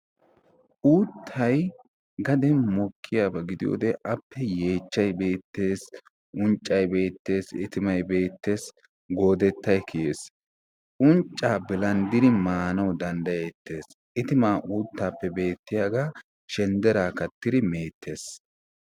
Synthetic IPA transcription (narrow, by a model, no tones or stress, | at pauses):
ʔuːt̪ʰːɐj | ɡɐd̪ɛnmɔkʰːɪjaːbɐɡɪd̪ɪjo̰ːd̪ɛʔɐpːɛje̞ːt͡ʃːɐjbe̞ːt̪ːe̞ːs | ʔʊnt͡ʃʼːɐjbe̞ːt̪ːe̞ːsɪt̪ɪmɐjbe̞ːt̪ːe̞ːs | ɡo̞ːd̪ɛt̪ːɐjkʰɪje̞ːs | ʔʊnt͡ʃʼːaːbɪlɐnd̪ɪd̪ɪmaːnɐwd̪ɐnd̪ɐjet̪ːe̞ːs | ʔɪt̪ɪmaːʔuːt̪ːaːpːɛbe̞ːt̪ːɪjaːɡa | ʃɛnd̪ɛɾaːkɐt̪ːɪd̪ɪmeːt̪ːe̞ːs